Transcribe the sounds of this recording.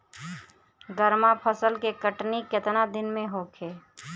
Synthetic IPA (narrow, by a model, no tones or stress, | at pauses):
ɡəɾmapʰəsəlkekəʈnikɪt̪nad̪ɪnmẽɦoːkʰeː